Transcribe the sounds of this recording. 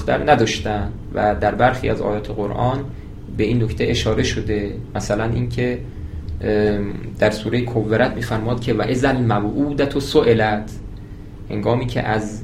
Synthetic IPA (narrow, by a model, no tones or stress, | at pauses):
xt̪æ̰ɾnæd̪ɒːʃt̪ænd̪ | væd̪æɾbæɾxḭːæzɒ̰ːjɒːt̪ʰeɣoɾʔɒːn | be̞iːnːokt̪ʰeʔeʃɒːɾe̞ʃod̪e̞mæsælænʔiːncʰe | d̪̥æɾsuːɾejekʰovːeɾæt̪̚ʰmiːfæɾmɒːd̪̚cʰʲevæʔezælmæbʔuːd̪æt̪ʰosoʔelæt̪ʰ | he̞̰ŋɡɒːmiːcʰḛʔæz